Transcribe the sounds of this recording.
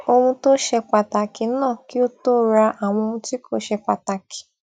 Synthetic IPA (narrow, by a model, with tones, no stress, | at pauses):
o˧hũ˧to˦ʃɛ˧k͡pa˨ta˨ki˨˦nãː˦˨ki˦o˦to˦ɾa˧a˨w̃ɔ̃˧o˧ũ˧ti˦ko˦˨ʃɛ˧k͡pa˨ta˨kʰi̥˨˦